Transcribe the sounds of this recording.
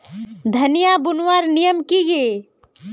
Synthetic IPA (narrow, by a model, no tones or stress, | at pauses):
d̪ʱənijabunwaɾnijəmkije